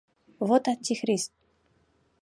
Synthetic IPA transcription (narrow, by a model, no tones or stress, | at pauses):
vot̪at̪ʲːixɾʲist̪̚